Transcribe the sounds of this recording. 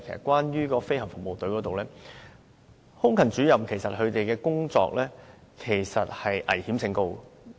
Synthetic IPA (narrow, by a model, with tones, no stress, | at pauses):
kʰe˨˩sɐ˨t̚kʷwaː˥njyː˥kɔː˧fe˥jhɐ˨˩ŋfʊ˨k̚mo˨wt̪ɵ˨˥jkɔː˨˥t̪o˨wlɛː˥ | hʊ˥ŋkʰɐ˨˩nt͡ʃyː˨˥jɐ˨mkʰe˨˩jsɐ˨t̚hɵ˨˧ɥt̪e˨jkɛː˧kʊ˥ŋt͡sɔ̰ː˧k̚lɛː˥kʰe˨˩jsɐ˨t̚hɐ˨jʔɐ̰˨˩jhiː˨˥msɪ˧ŋko˧w